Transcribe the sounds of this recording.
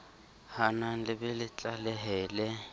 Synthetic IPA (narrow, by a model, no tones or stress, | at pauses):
hanalɪbɪlɪt͡ɬʼalɛɦɛːlɛ